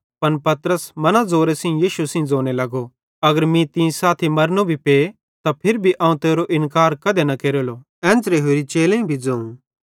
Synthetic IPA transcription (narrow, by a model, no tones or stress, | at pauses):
pɐnpɐt̪ɾəsmɐnad͡zoːɾesɪ̃jiːʃusɪ̃d͡zoːnelɐɡo | ɐɡəɾmĩt̪ĩsaːt̪ʰimɐɾnobʱipeː | t̪apʰɪɾbʱiʔãːũt̪eːɾoʔɪ̃nkaːɾkɐd̪enɐkeːɾoːloː | ɛ̃ːnd͡ʒɾeɦoːɾit͡ʃeːlẽːĩbʱid͡zɐ̃ːũ